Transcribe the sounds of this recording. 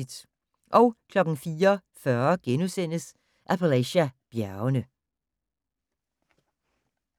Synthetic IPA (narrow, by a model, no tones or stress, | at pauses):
d̥ | ʔɒʊkʰlɒɡ̥n̩fiːɐfœːɐɡ̥enʉsen̰əs | ʔæpʰælæɕæb̥jæɐnə